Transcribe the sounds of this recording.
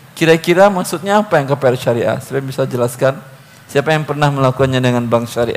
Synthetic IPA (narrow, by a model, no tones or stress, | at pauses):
kiɾakiɾamaksut̪̚ɲaːpajaŋkəpeɛrʃaɾiʔa̰səbabisad͡ʒəlaskan | siapajaŋpərnahməlakukanɲadəŋanbaŋʃaɾḭʔa